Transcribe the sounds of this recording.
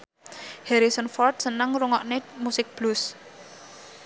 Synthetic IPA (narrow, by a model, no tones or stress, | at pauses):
hɛɾisənfɔrt̪̚sənəŋɾuŋɔʔnemusɪk̚b̥lus